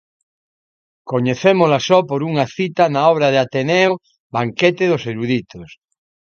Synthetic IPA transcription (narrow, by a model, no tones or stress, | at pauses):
koɲeθemolasɔpoɾuŋaθit̪anaɔβ̞ɾaðeat̪enɛo | baŋkɛt̪eðoseɾuðit̪os